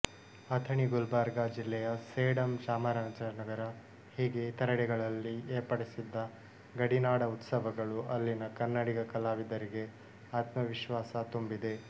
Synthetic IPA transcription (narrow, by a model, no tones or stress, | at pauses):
ɐt̪ʰɐɳiɡulbaːɾɡad͡ʒilːɛjɐseːɽɐmʃaːmɐɾaːnd͡ʒɐnɐɡɐɾɐ | hiːɡet̪ɐɾɐɽɛɡɐɭɐlːieːɾpɐɽesid̪ːɐ | ɡɐɽinaːɽɐut̪sɐʋɐɡɐɭuɐlːinɐkɐnːɐɽiɡɐkɐlaːʋid̪ɐɾiɡe̞ | aːt̪mɐʋiʃʋaːsɐt̪umbid̪e̞